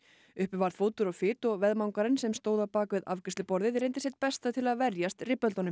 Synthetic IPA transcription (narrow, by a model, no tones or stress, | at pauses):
ʏhpɪvaɾð̥foːwt̪ʏɾɔɣfɪːt̪ɔɣvɛðmawŋkaɾɪnsɛmst̪oːwðawpaːkvɪðavkɛst̪ɪpɔɾðɪðɾejnt̪ɪsɛht̪̚pɛst̪at̪ʰɪlaðvɛɾjast̪rɪpːɛlt̪ɔnʏm